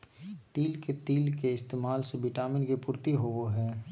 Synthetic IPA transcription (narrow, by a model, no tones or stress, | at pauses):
t̪iːlket̪iːlkeɪst̪eːmaːlseʋɪʈaːmɪnkepʊɾt̪iɦooɦɛː